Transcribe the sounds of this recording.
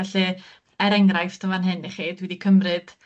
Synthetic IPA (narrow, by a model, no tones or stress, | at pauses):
aɬi | ɛɾɛŋrajftʰəvanɦɨniχiːdwɛdikʰəmrɨd̥